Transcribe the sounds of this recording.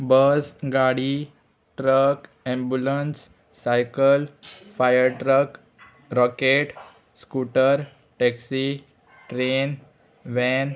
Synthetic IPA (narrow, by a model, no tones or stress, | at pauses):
bəsɡaɽi | ʈɾək | ɛ̃mbjulənsː | ajkəlfajəɾʈɾək | ɾɔkeʈ | skuʈəɾ | ʈɛksi | ʈɾen | ʋɛ̃n